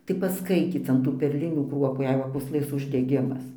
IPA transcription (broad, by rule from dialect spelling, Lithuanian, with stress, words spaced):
tɐɪ pɐsˈkɐɪtʲiːt͡s ɐn ˈtuː pʲɛrʲˈlʲɪnʲuː ˈkruɔpuː jɛɪ ˈʋɐ puːsˈlˠɘs ʊʒʲdʲɛˈɡʲɪmɐs